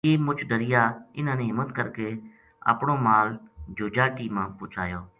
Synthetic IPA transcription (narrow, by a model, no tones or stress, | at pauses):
eːmʊt͡ʃʰɖəɾɪjaːɪnãːnẽːɦɪmːət̪kəɾkeː | a̰ːpɳoːmaːld͡ʒoːd͡ʒaːʈiːmãːpʊt͡ʃʰa̰ːjoː